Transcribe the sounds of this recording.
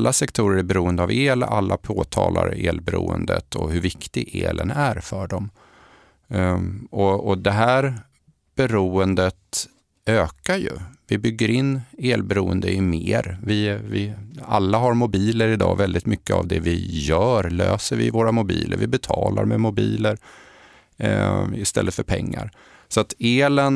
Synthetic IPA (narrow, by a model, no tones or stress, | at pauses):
lːʔasɛkt̪ʰuːɾəɾæbɛɾuːənd̪əaveːlalːapʰoːt̪ʰɑːla̰ɾeːlbɛɾṵːə̰nd̪ə̰t̪ʰɔɦɵɾvɪkt̪ɪɡeːlʔənæɾfœɖɔm | ɔɔd̪ɛɦæːɾ | b̥ɛɾuːənd̪ət̪ | øːkaɾjɵvɪbʏɡːəɾɪnːeːlbɛɾuːənd̪əjɪmeːɾvɪvɪalːaɦaɾmʊbiːləɾɪd̪ɑ̰ːvɛld̪ɪt̪mʏkːəa̰vd̪ɛvɪjœːɾlø̰ːsəɾvɪvoːɾamʊbḭːlə̰ɾvɪbɛt̪ʰɑːlaɾmɛmʊbiːləɾ | ɪst̪ɛ̰lːət̪fœɾpʰɛŋːa̰ɾ | sɔat̪eːlən